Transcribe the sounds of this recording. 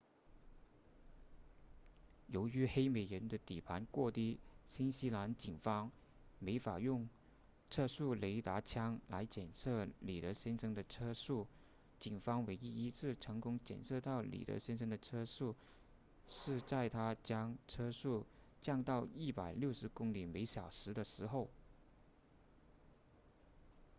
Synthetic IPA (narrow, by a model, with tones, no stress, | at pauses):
jo˧˥ʊy˧˥xe˥ɪme˨˩ɪɻə˧˥nd̪ə˧t̪i˨˩pʰa˧˥nkwɔ˥˧t̪i˥ɕi˥nɕi˥la˧˥nt͡ɕi˨˩ŋfɑ˥ŋ | me˧˥ɪfa˨˩jʊ˥˧ŋ | ʈ͡ʂʰɤ˥ʂu˥˩le˧˥ɪt̪a˧˥t͡ɕʰjɑ˥ŋla˧˥ɪt͡ɕjɛ˨˩nʂɤ˥˩li˨˩t̪ɤ˧˥ɕjɛ˥nʂɤ˥ŋd̪ə˨ʈ͡ʂʰɤ˥ʂu˥˩ | t͡ɕi˨˩ŋfɑ˥ŋwe˧˥ɪi˥i˥t͡sʰɹ̩˥˩ʈ͡ʂʰɤ˧˥ŋkʊ˥ŋt͡ɕjɛ̰˨˩nʂɤ˥˧t̪ɑ˥˩ʊlḭ˨˩t̪ɤ̰˧˥ɕjɛ˥nʂɤ˥ŋd̪ə˨ʈ͡ʂʰɤ˥ʂu˥˩ | ʂɻ̩˥˧t͡sa˥˩ɪt̪ʰa˥t͡ɕjɑ˥ŋʈ͡ʂʰɤ˥ʂu˥˩ | t͡ɕjɑ˥˧ŋt̪ɑ˥˧ʊi˥˩pa˨˩ɪljo˥˩ʊʂɻ̩˧˥kʊ˥ŋli˨˩me˧˥ɪɕjɑ˨˩ʊʂɻ̩˧˥d̪ə˨ʂɻ̩˧˥xo˥˩ʊ